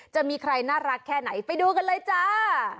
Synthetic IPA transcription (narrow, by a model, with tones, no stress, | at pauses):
t͡ɕa˨˩ʔmiː˧kʰɾa˧jnaː˥˩ɾa˦˥kʰːɛː˥˩na˩˦jpa˧jduː˧k̬a˧nlɤː˧jt͡ɕa˧˩